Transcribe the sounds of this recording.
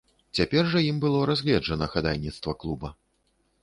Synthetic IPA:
t͡sʲapʲɛrʐɐjimbɨlˠɔɾazʲɣlʲɛd͡ʐɐnɐxad̪ajʲnʲit̪st̪vɐklˠubɐ

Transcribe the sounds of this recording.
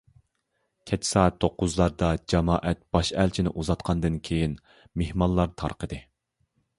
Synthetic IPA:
kʲʰɛt͡ʃʰsɑːɛt̪ʰːoqːʊzlˠɑɾd̪ɑd͡ʒɑmɑːʔɛt̪̚b̥ɑʃælt͡ʃʰinɪʔuzɑt̪̚qʰɑnd̪ɨnkʲʰejin | mehmɑllˠːɑɾt̪ʰɑ̰ɾqəd̪ɨ

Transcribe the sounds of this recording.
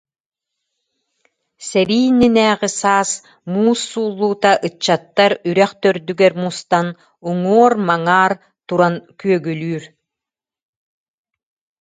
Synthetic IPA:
sɛɾiːninɛːʁisaːs | muːsːuːlˠːuːt̪aʔɯt͡ɕːat̪ːaɾyɾɛχt̪œɾd̪yɡɛɾmust̪an | uŋuɔɾmaŋaːɾ | t̪uɾankyœɡylyːɾ

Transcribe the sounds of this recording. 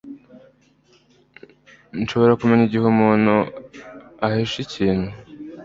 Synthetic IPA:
nʃo̞βo̞ɾakumeɲiɟihumuːnu | aheʃiciːn̥hu

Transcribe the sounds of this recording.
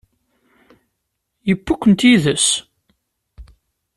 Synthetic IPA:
jəpːukʷːənt̪iðəs

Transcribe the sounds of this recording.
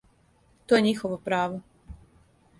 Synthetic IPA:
t̪ojeɲixoʋopɾaːʋo

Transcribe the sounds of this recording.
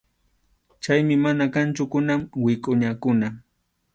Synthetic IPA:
t͡ʃajmɪmanakant͡ʃʊkʊnamwɪkʼʊɲakʊna

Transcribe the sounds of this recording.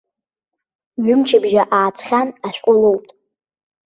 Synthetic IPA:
ɥʊmt͡ʃʰɪbʒaʔaːt͡sʰʼχʲanaʃʷᶣqʷʼʊlowtʼ

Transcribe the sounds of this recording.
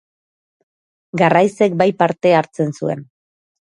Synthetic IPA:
ɡarajse̞kbajpaɾt̪e̞aɾt͡se̞nsue̞̰n

